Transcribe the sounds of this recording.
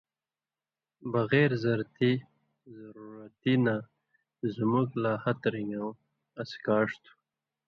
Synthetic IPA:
baɣeɾzaɾt̪i | zaɾuɾat̪ina | zmuɡlaːhat̪ɾiŋɡaw | askɑːʂt̪u̥

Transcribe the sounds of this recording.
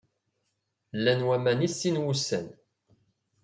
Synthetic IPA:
lːænwæmænisːinwusæ̰n

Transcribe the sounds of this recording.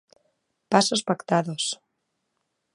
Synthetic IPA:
pasospakt̪aðos

